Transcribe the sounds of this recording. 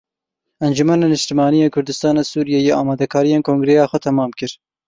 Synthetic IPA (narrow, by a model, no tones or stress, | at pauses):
ɛnd͡ʒumɛneːnɨʃt̪imɑːnijeːkʰʊɾd̪ɨst̪ɑːneːsuːɾijejeʔɑːmɑːd̪ɛkʰɑːɾijeːnkʰoːŋɡɾejɑːxʷɛt̪ʰɛmɑːmkɨɾ